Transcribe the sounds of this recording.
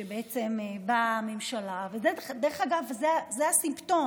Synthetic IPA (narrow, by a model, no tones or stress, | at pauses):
ʃebeet͡semebamemʃalavezed̪eʁeχaɡavzeazeasimpto̞